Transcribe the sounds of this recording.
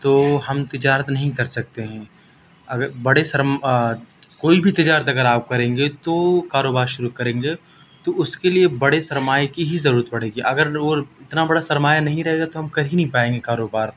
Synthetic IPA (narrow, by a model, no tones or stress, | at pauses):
t̪oːɦɐmt̪ɪd͡ʒaːɾət̪nɐɦĩkɐɾsɐk̚t̪eɦɛ̃ː | ɐɡəɾbɐɽesɐɾm | koːibʱit̪ɪd͡ʒaːɾət̪ɐɡəɾaːp̚kɐɾẽːŋɡet̪okaːɾoːbaːɾʃʊɾukɐɾẽːŋɡe | t̪oʊskeliebɐɽesɐɾmaːjkiɦizɐɾuːɾət̪̚pɐɽ̤eːɡiʔɐɡəɾoɪt̪nabɐɽasɐɾmaːjanɐɦĩɾɐɦeɡat̪oɦɐmkɐɾɦĩnɐɦĩpaːẽːŋɡekaːɾoːbaːɾ